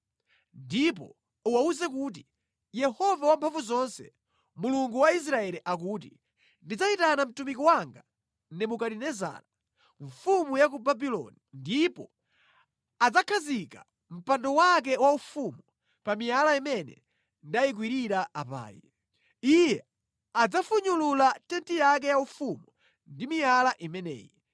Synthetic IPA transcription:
ndip̬ɔ | uwauzɛk̬uːt̬i | jɛhɔvawampʰaɱvuzɔnsɛ | muluŋɡuwais̬ɾaɛliʔak̬uːt̬i | ndid͡zaitanam̩tumikɔwaŋɡa | nɛmukaɾinɛza̰ːɾa | ɱfumujakubabilɔ̰nindipɔ | ad͡zakʰazika̰ | m̩pandɔwak̬ɛwaufumu | pamijalaimɛnɛ̰ | ndajik̬wiɾiɾaʔapa̰ːjḭ | ijɛ | ad͡zafuɲululatɛntijak̬ɛjaufumu | ndimijalaʔimɛnɛ̰ːjɛ

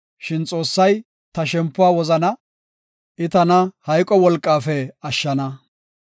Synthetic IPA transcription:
ʃɪnt͡sʼo̞ːsːɐj | t̪ɐʃɛmpːʊwaːwɔzɐnɐ | ʔɪt̪ɐnɐhɐjkʼːɔwɔlkʼːaːfɛɐʃːɐnɐ

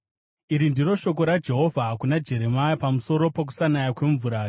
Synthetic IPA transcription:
iɾindiɾo̞ʃo̞k̬o̞ɾad͡ʒe̞ɦo̞vʱakunad͡ʒe̞ɾe̞majapamuso̞ɾo̞pak̬u̥sanajakwe̞ɱvuɾaː

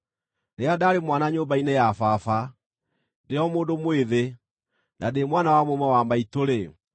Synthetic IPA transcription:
neadaɾemwanaɲobainejafafa | deɔmoːndomweðe | nademwanawamomɛwamaitoɾe

